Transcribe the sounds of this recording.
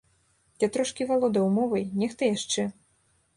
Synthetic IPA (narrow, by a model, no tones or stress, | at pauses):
jat̪ɾɔʂkʲivalˠɔd̪ɐwmɔvɐjnʲɛxt̪ɐjaʂt͡ʂɛ